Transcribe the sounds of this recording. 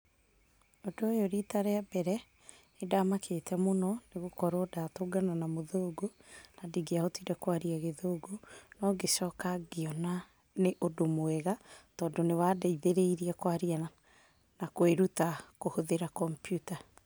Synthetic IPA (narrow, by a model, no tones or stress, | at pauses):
odoojoɾitaɾeabɛɾɛ | edamakʰeːtʰɛmonɔneɣokɔɾodaːtoːɡananamoðoːɡonadiɡeahotidɛkwaɾiaɣeðoːɡonɔɡeʃɔːkaɡeɔna | neʔodomoɛɣatɔːndonewadaiðeɾeiɾiɛkwaɾiaa | nakweɾutakohoðeɾakɔmpjuta